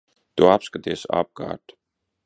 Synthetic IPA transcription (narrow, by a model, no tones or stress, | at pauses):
t̪uapskat̪iɛsa̰b̚ɡa̰ːɾt̪